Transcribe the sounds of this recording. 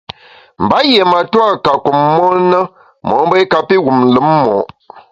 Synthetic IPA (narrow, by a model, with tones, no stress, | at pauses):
m̩˨ba˨˦je˨ma˨ta˦˨ka˨ku˨mːɔ˦nə˦ | mɔ̰˨˦m˦bə˦ka˦pi˦ɣu˨m˨lə˨˦mːɔ̰˨ʔ